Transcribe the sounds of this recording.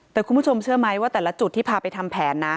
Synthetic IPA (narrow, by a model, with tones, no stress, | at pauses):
t̪ɛː˨˩ku˧nmʰpu˥˩t͡ɕʰo˧mt͡ɕʰɯ˥˩əma˦˥jwaː˥˩t̪ɛː˨˩la˦˥t͡ɕu˨˩t̪ːiː˥˩pʰaː˧pa˧jt̪ʰa˧mpʰɛː˩˦nːa˦˥